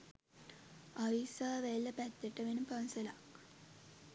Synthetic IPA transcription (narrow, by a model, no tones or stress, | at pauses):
aʋisaːʋelːəpæt̪ːəʈəʋenəpansəlak